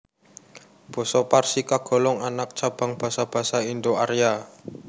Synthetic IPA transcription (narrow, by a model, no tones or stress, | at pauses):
b̥ɔ̤sɔparsikaɡ̥ɔ̤lɔŋanak̚t͡ʃab̥a̤ŋb̥ä̤sab̥a̤saind̪oaɾija